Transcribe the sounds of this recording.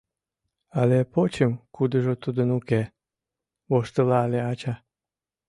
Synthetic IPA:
alepot͡ɕəmkud̪əʒot̪ud̪ənuke | βoʃt̪əlɑleɑt͡ɕa

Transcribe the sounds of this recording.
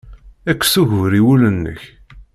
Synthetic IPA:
ækʷːsuʝvɾiwulənːə̰ç

